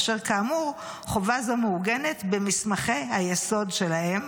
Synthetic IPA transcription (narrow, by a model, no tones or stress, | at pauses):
ʃeʁkaːmuʁ | χovazameuɡe̞ne̞tbemismaχe̞ajeso̞dʃe̞lahe̞m